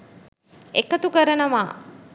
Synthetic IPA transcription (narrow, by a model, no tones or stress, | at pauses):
ekət̪ukəɾənəʋaː